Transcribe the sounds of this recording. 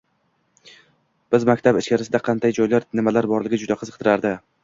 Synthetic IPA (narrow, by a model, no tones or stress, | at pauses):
b̥ɪzmakʲt̪ʰabɪʃkʲaɾɪsɪd̪aqʰɑnd̪ajd͡ʒɒjlaɾnɪmalaɾbɒɾlɪɡʲɪd͡ʒʊd̪aqʰɨzɨq̚t̪ʰɪɾaɾd̪ɪ